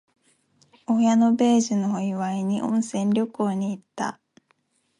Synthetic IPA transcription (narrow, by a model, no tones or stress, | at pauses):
ojano̞be̞ːʑinoːiβaiɲ̟ḭʔõ̞ñsẽ̞nɾʲo̞ko̞ːɲ̟iːt̪ːa̰